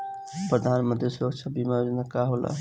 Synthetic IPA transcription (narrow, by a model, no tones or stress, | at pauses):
pɾəd̪ʱanmənt̪ɾisuɾəkt͡ʃʰəbimajod͡ʒənakaɦolʔa̰